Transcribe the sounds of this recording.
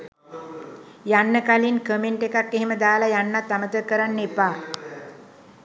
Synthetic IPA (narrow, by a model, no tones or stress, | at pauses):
janːəkalinkəmeɳʈekakːeɦeməd̪aːlajanːat̪ːamət̪əkəɾanːepaː